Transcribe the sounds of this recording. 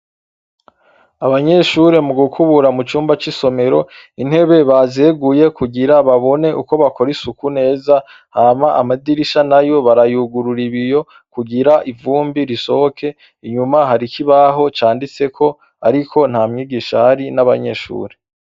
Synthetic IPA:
aβaɲe̞ʃuɾe̞muɡukʰuβuɾamut͡ʃuːmbat͡ʃiso̞me̞ɾo̞in̥he̞βe̞βazeɡuje̞kuɡiɾaβaβo̞ne̞ʔuko̞βako̞ɾisukune̞ːza | hamaʔamadiɾiʃanajo̞βaɾajuɡuɾuɾiβijo̞ | kuɡiɾaʔivuːmbiɾiso̞hokʰe̞ | iɲumaɦaɾikʰiβaɦo̞t͡ʃaːndit͡se̞kʰo̞ | a̰ɾikʰo̞n̥hamɲiːɡiʃahaɾinaβaɲe̞ʃṵːɾe̞

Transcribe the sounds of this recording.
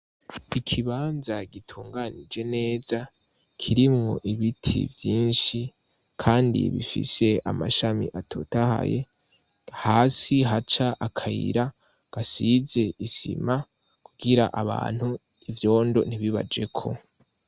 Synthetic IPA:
ikʰiβaːnzaɡitʰuːŋɡanid͡ʒe̞ne̞ːza | kʰiɾimŋo̞̰ʔiβitʰḭvjiːnʃi | kʰaːndḭβifḭse̞a̰ma̰ʃamḭʔatʰo̞taha̰je̞ | haːsiɦat͡ʃaʔakʰajḭɾa | ɡ̥asize̞isḭma | kuɡiɾaʔaβa̰ːn̥hu | ivjo̞ːndo̞̰n̥iβiβa̰d͡ʒe̞̰kʰo̞̰

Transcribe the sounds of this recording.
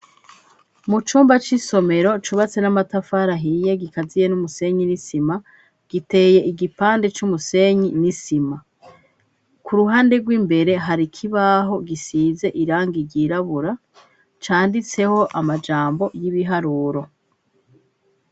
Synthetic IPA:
mut͡ʃuːmbat͡ʃiso̞me̞ɾo̞t͡ʃuβat͡se̞namatafaɾaɦijeɡikazijenumuse̞ɲinisima | ɡ̥ite̞ːje̞ʔiɡipaːnde̞t͡ʃumuse̞ɲinisima | kuɾuɦaːnde̞ɡwiːmbe̞ɾe̞ɦaɾikʰiβaɦo̞ɡisiːze̞ʔiɾaːŋɡiɟiːɾaβuɾa | t͡ʃaːndit͡se̞ho̞ʔamad͡ʒaːmbo̞jiβiɦaɾuːɾo̞

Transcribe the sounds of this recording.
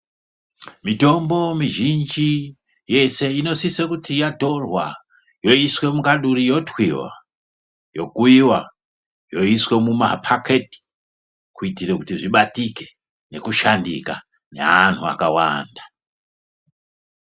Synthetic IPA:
mito̞mbo̞miʒind͡ʒi | je̞se̞ino̞sisekutʰijato̞rwa̰ | jo̞iswe̞mukaɗuɾijo̞twiwa̰ | jo̞kuiwa̰ | jo̞iswe̞muma̰pʰakʰeti̥ | kuitiɾekutiʐiɓatike̞̥ | ne̞kuʃandḭka̰ | ne̞̰an̤ua̰kawa̰ndḁ

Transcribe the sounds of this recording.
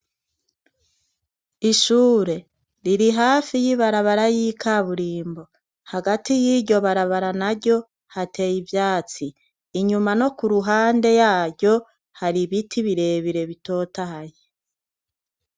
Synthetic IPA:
iʃuːɾe̞ | ɾiɾiɦaːfijiβaɾaβaɾajikʰaβuɾiːmbo̞ | haɡatijiɟo̞βaɾaβaɾanaɟo̞ | hate̞jivjaːt͡siː | ɲumano̞kuɾuɦaːnde̞jaːɟo̞ | haɾiβitʰiβiɾe̞βiɾe̞βito̞ːtahaje

